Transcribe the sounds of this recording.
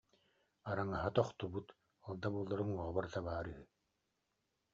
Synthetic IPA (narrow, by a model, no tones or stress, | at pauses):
aɾaŋaɦat̪ɔχt̪ubut̪ | ɔlˠd̪abuɔlˠːɔɾɯŋɔʁɔbɔɾt̪aβaːɾyɦy